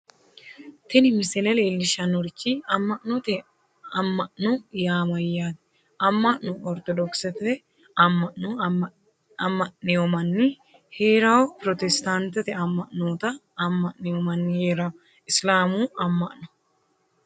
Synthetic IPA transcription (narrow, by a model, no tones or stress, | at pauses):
t̪ɛnɪmɪsɪlɛleːlːɪʃɐnɔɾkːiɐmːɐʔnɔt̪ɛ | ɐmːɐʔnʊjaːmɐjːaːt̪ɛ̥ | ɐmːɐʔnʊʔɔɾt̪ɔd̪ɔksɛt̪ | ɐmːɐʔnu | ɐmːɐʔneɔmɐnːɪ | heːɾaːwpɾɔt̪ɛst̪ant̪ɛt̪ɛɐmːɐʔnoːt̪ɐ | ɐmːɐʔneɔmɐnːɪheːɾa | ɪslaːmuːʔɐmːɐʔnʊ